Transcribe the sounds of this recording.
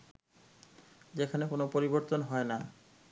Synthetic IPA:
d͡ʑekʰanekonopoɾiboɾt̪onɦɔena

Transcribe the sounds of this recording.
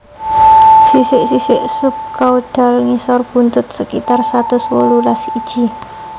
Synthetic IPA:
sisɪʔsisɪʔsʊp̚kauɖ̥a̤lŋisɔrb̥ṳnt̪ʊt̪̚səkit̪arsat̪ʊswolulasid̥ʒ̥i̤

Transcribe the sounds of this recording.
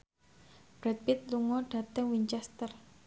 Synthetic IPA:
b̥ɾɛt̪̚pɪt̪̚luŋɔɖ̥a̤t̪əŋwiɲt͡ʃɛst̪ər

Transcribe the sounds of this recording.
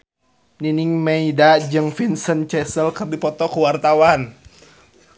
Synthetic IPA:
niniŋmɛidad͡ʒɨŋfinsənt͡ʃɛsəlkɨrdipɔt̪ɔkuwart̪awan

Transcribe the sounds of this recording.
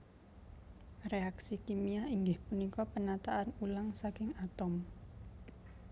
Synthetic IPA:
reaksikimiaiŋɡɪhpunikɔpənat̪aʔanulaŋsakɪŋat̪ɔm

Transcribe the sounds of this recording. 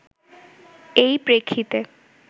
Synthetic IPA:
ejpɾekʰːit̪e

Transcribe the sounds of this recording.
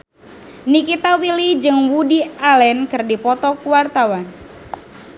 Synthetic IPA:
nikit̪awilid͡ʒɨŋwudialɛnkɨrdipɔt̪ɔkuwart̪awan

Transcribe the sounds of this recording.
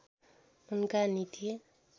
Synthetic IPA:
unkanit̪ie

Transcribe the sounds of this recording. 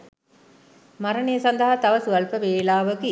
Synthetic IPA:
mɐɾɐɳejɐsɐnd̪ɐɦat̪ɐʋɐsuɐlpəʋeːlaːʋɐkɯ

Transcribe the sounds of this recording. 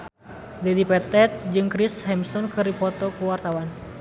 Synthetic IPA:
dɛdipɛt̪ɛt̪̚d͡ʒɨŋkɾishɛmst̪ɔnkɨɾipɔt̪ɔkuwart̪awan

